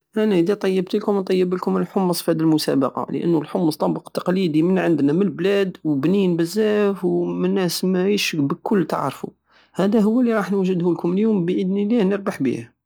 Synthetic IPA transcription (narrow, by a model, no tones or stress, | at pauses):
ʔænæʔəd̪æt̪ˤɑjːəb̚t̪əlkʊmnt̪ˤɑjːəbəlkʊməlħʊmːəsˤfhæd̪ilmʊsæ̰bɑqɑ̰lə̰ʔə̰nːʊlħʊmːəsˤt̪ˤɑbəqt̪ːɑ̥qlid̪imənʕənd̪næməlblæd̪wbninbəzːæfwmənːæsmæəʃbəkʊlːt̪ə̰ʕɾˤfṵ | hæd̪æɦʊwːælːiɾˤɑħnwʒəd̪hʊlkʊməljumbəʔəd̪nilæhnəɾbaħbḭhæ